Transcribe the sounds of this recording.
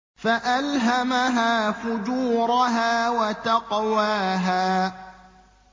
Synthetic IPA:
faʔalɦamaɦaːfʊd͡ʒuːɾʊɦaːwat̪aqwaːɦaː

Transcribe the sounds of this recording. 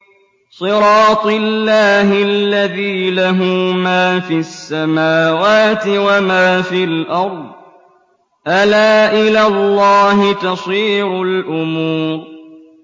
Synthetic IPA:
sˤɨɾɑːt̪ˤlːaːɦɪlːaðiːlaɦumaːfiasːamaːwaːt̪ɪwamaːfilʔɑɾˤd̪ˤ | ʔalaːʔɪlalːɑːɦɪt̪ɑsˤiːɾʊlʔʊmuːɾ

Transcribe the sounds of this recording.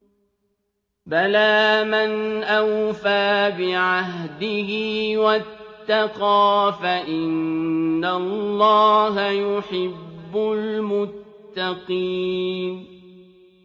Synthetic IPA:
balaːmanʔawfaːbɪʕaɦd̪ɪhɪːwat̪ːaqɑːfaʔɪnːallˤːɑːɦajʊħɪbbːʊlmʊt̪ːɑqiːn

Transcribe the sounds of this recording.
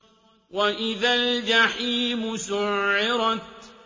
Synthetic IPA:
waʔɪðald͡ʒaħiːmʊsʊʕːɪɾɑt̪̚

